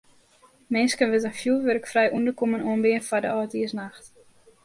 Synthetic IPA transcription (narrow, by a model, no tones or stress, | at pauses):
mɪnskənʋətənfjuːʋørkfrɛjʔundəkomənoənbɪənfadə̰ɔːtiəsnaxt